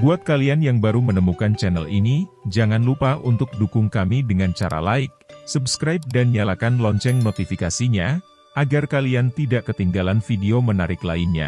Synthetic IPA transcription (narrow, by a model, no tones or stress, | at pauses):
buat̪̚kalianjaŋbaɾumənəmukant͡ʃɛnɛ̰linid͡ʒaŋanlupaunt̪ʊk̚dukʊŋkamidəŋant͡ʃa̰ɾa̰la̰ɪk̚subskɾajp̚danjalakanlɔɲt͡ʃɛŋnot̪ifikasiɲa | ʔaɡarkaliant̪idaʔkət̪iŋɡalanfideomənaɾɪkla̰inɲa̰